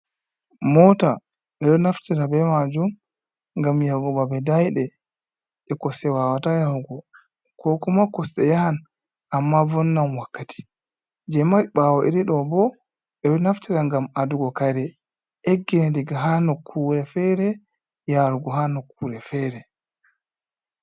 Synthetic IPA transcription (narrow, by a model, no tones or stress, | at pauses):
mɔta | ɓɛɗɔnaftiɾabɛmad͡ʒum | ŋɡamjawɡɔbabɛdajɗɛ | ɛkɔsɛwawatajahuɡɔ | kɔkɔmakːɔsɛjahan | ʔamːavɔnːamwakːati̥ | d͡ʒɛmaɾiɓawɔʔḭɾiɗɔbɔ | ɓɛɗɔnaftiɾaŋɡamaduɡɔkaɾɛ | ʔeɡːinɛdiɡaɦanokʰːuɾɛfɛɾɛ | jaɾuɡɔɦanokʰːuɾɛfɛɾɛ